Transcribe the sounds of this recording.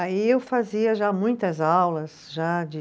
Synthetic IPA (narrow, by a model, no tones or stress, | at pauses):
aiewfaziɐʒamũj̃t̪ɐzawlɐsʒad͡ʒɪ